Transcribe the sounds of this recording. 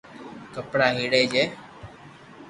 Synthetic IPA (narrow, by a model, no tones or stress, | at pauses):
kəpɽaːɦiːɽeːd͡ʒeː